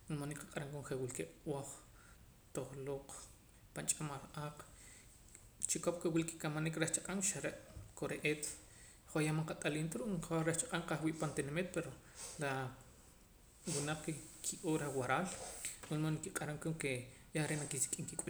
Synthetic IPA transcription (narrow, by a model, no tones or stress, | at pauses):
unmoniqḁqʼaɾaŋkoŋχewilkewoχ | t̪oχloːq | pant͡ʃʼamalaːq͡χ | t͡ʃikop̚kewilki̥kamanikɾeχt͡ʃḁqʼaŋʃaɾeʔkoɾeʔeːt̪ | χojamaŋqat̪ʼaliːnt̪aɾuʔaɾeht͡ʃaqʼaŋqaχwiːʔpant̪enmit̪̚peɾo | la | wunaq͡χkekʰiʔoːɾawaɾaːlmunmonikiqʼaɾaŋkoŋke | jaɾeʔnakisi̥kʼiŋkikʼu